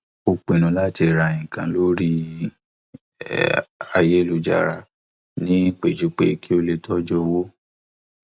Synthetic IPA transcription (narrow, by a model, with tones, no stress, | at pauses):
o˧k͡pe˨nũ˨˦la˦ti˧˨ɾa˨ĩ˨kã˨lo˦ɾi˦ | a˧je˦lo˧d͡ʒa̰˨ɾa˨ | nĩ˦k͡pe˨d͡ʒu˨˦k͡pe˦kʰi˦o˧le˧tʰɔ˦d͡ʒɔ˦wo˦